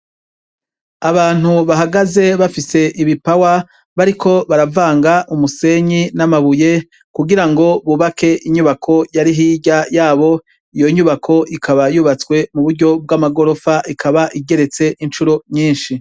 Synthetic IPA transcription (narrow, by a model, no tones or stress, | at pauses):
aβaːn̥huβaɦaɡaze̞βafise̞ʔiβipawa | βaɾikʰo̞βaɾavaːŋɡaʔumuse̞ɲinamaβuje̞ | kuɡiɾaŋɡo̞βuβake̞ʔiɲuβakʰo̞jaɾiɦiːɟajaːβo̞ | ijo̞ɲuβakʰo̞ʔikʰaβajuːβat͡swe̞muβuɾɟo̞b̚ɡamaɡo̞ɾo̞faʔikʰaβaʔiɟe̞ɾe̞t͡se̞ʔint͡ʃuɾo̞ɲiːnʃi